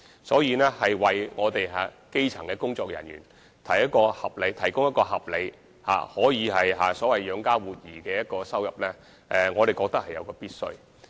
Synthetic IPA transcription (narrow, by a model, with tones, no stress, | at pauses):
sɔː˨˥jiː˨˧nɛː˥hɐ˨jwɐ˨jŋɔː˨˧t̪e˨jɦaː˨˧ | ke˥jt͡ʃʰɐ˨˩ŋkɛː˧kʊ˥ŋt͡sɔː˧k̚jɐ˨˩njy̰ː˨˩n | t̪ʰɐ˨˩jɐ˥t̚kɔː˧hɐ˨p̚le˨˧jt̪ʰɐ˨˩jkʊ˥ŋjɐ˥t̚kɔː˧ɦɐ˨p̚le˨˧j | ha̰ː˨hɔː˨˥jiː˨˧ɦɐ˨jɦa̰ː˨sɔː˨˥wɐ˨jjœː˨˧ŋkaː˥wuː˨t̚jiː˨˩kɛː˧jɐ˥t̚kɔː˧sɐ˥wjɐ˨p̚lɛː˥ | ɛ˧ŋɔː˨˧t̪e˨jkɔː˧k̚t̪ɐ˥k̚hɐ˨jɐ̰˨˧wkɔː˧piː˥t̚sɵ̰˥ɥ